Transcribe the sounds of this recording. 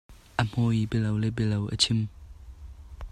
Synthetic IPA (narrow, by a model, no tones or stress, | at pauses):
ʔəm̥ojibɛlɐwlɛbɛlɐwʔə̰t͡sʰɪm